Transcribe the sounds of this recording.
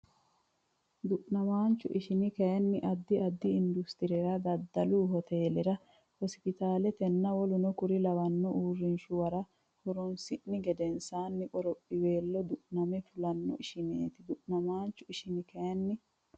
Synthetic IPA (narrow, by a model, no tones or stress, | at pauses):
d̪ʊʔnɐmaːnt͡ʃːʊ̰ʔɪʃɪnɪkɐjɐnːɪʔɐd̪ːɪɐd̪ːɪɪnd̪ʊst̪ɪɾɛɾɐd̪ɐd̪ːɐluːhɔt̪ʰe̞ːlɛɾɐ | hɔspɪt̪aːlɛt̪ɛnːɐwɔlʊnɔkʊɾɪlɐbɐnːɔʔuːrːɪnʃʊwɐɾɐ | hʊɾɔnsɪʔːɪɡɛd̪ɛnsaːnːɪkʼɔɾɔpʼːɪwe̞ːlːɔd̪ʊʔnɐmɛfʊlɐnːɔ̰ɪʃɪnḛːt̪ɪd̪ʊʔnɐmaːnt͡ʃːʊɪʃɪnɪkɐjɐnːɪ